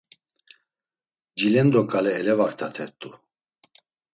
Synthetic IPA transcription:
d͡ʒilɛnd̪ɔkʼalɛːlɛvak̚t̪ʰat̪ʰɛt̪ʼu

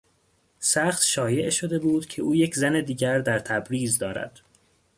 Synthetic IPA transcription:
sæːχt̪ʃɒːje̞ʔʃo̞d̪e̞buːd̪̥cʲʰe̞ʔuːje̞cʰzæned̪iːɡɟæɾd̪æɾt̪ʰæbɾiːzd̪ɒːɾæ̰d̪̥

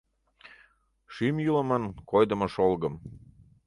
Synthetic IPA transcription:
ʃimjyləmənkojd̪əmoʃolɣəm

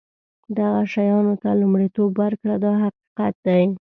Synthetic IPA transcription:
d̪aɣaʃajɑnot̪alumɽit̪obwaɾkɽad̪ɑɦaqi̥qat̪̚d̪aj

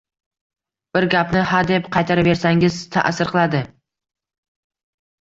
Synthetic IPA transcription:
b̥ɪɾɡʲapnɪhad̪epqʰɑjt̪ʰaɾɪbe̞ɾsaŋʲɪzt̪ʰa̰ʔsɪɾqʰɨlˠad̪ɪ

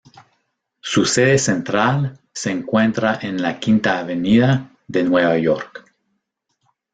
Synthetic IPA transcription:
suseðesent̪ɾal | seːŋkwe̞nt̪ɾaʔenlakint̪aːβeniða | ðe̞nweβajoɾk

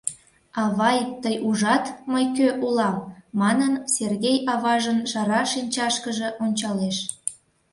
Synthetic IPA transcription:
ɑβɑjt̪əjuʒɑt̪məjkøʔulɑmːɑnənserɣejɑβɑʒənʃɑɾɑʃinʲt͡ɕɑʃkəʒeʔonʲt͡ɕɑleʃ

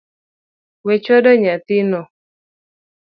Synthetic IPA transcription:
wɛt͡ʃɔdɔɲat̪ɪnɔ

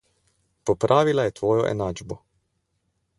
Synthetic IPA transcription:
pɔpɾʔaːʋilajɛt̪ʋoːjɔʔɛ̰naːd͡ʒbɔ

